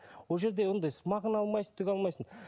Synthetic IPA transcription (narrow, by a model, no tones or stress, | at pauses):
woʒe̞ɾd̪ewo̞nd̪ɑjsəmɑʁənɑlˠmɑjsət̪ʰʏɡʲɑlˠmɑjsən